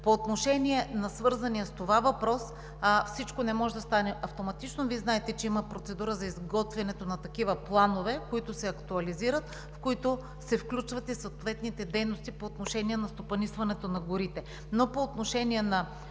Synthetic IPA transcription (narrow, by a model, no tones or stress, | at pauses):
poːt̪noʃɛniɛnɐsvɤɾzɐniɐst̪ovavɐpɾɔs | fsit͡ʃkonɛmɔʒɛd̪ɐst̪anɛʔɐft̪omɐt̪it͡ʃnoviɛznaɛt̪ɛt͡ʃɛimɐpɾot̪sɛd̪uɾəzɐizɡɔt̪vɛnɛt̪onɐt̪ɐk̟ivɐplˠanovɛkoit̪osɛɐkt̪uɐliziɾət̪̚ | fkoit̪o | sɛfklʲut͡ʃvɐt̪isot̪vɛt̪nit̪ɛd̪ɛjnost̪ipoːt̪noʃɛniɛnɐst̪opɐnisvɐnɛt̪onɐɡoɾit̪ɛ | nopoːt̪noʃɛniɛnɐ